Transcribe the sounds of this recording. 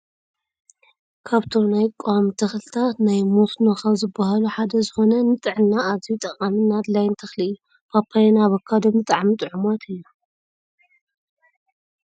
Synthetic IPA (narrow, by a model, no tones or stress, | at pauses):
kʰaβt̪ʰo̞najkʼowamt̪ʰɐxlɨt̪ʰat̪najmosnoxazɨbːahaluħad̪ɐzɨxo̞nɐnɨt̪ʼɨʕɨnːaːzijut̪ʼɐχʼamɨnad̪lajnt̪ʰɐxlɨɨjːu | pʰapʰːajenaβɐkʰːad̪omɨt̪ʼaʕmit̪ʼɨʕumat̪ʰɨjːu